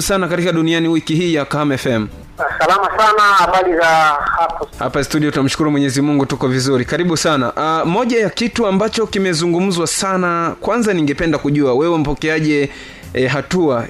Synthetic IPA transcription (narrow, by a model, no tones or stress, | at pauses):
sanakatikaɗunianiwikiɦiːjakaamɛfɛm̩ | asalamasanahaɓalizahapɔha̰pastuɗiɔtunam̩ʃkuɾumwɛɲɛɛzimuŋɡutukɔvizuɾikaɾiɓusanaʔmɔʄajakituambat͡ʃɔkimɛzuŋɡum̩zwasanakwanzaniŋɡɛpɛndakuʄuawɛwɛm̩pɔkɛaʄɛ | ɦatua